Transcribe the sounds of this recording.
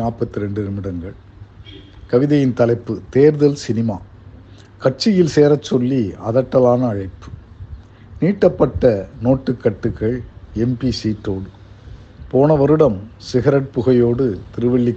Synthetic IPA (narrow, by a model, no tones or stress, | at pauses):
aːpɐt̪ːɪɾɛɳɖɪɾɯmɪɽɐŋɡɐɭ | kɐʋɪðɐjɪnt̪ɐlɐɪpːɯt̪eːɾðɐlsɪnɪmaː | kɐʈ̚t͡ʃɪjɪlseːɾɐt͡ʃːɔlːiɐðɐʈːɐlaːnɐːɻɐɪpːɯ̥ | niːʈːɐpːɐʈːɐnoːʈːɯkːɐʈːɯkːɐɭɛmpisiːʈroːɽɯ | poːnɐʋɐɾɯɽɐmsɪɣɐɾɐʈ̚pʊɣɐjoːɽɯt̪ɪɾɯʋɐɭːɪk